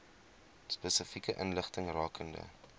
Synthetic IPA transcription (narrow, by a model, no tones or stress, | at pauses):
spəsəfikəʔənləχtəŋrɑːkʰəndə̰